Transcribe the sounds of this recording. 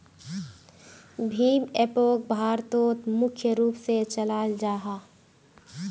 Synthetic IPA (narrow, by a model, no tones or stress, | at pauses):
bʱiːmeːpoːk̚bʱaːɾt̪oːt̪mʊkʰjəɾuːpset͡ʃəlaːld͡ʒaːɦaː